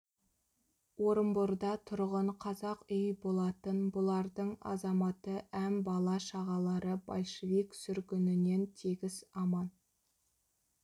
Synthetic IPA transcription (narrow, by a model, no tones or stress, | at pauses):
wo̞ɾəmbʊɾd̪ɑt̪ʰʊɾʁəɴqʰɑzɑqʏjbolˠɑt̪ənbʊlˠɑɾd̪əɴɑ̰zɑmɑt̪əʔæmbɑlˠɑʃɑʁɑlˠɑɾəbɑlʲˠʃeviksʏɾkʲʏnɪne̞nt̪ʰeɡʲɪzɑmɑn